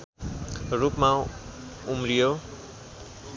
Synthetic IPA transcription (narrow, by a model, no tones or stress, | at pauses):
ɾupma | umɾijo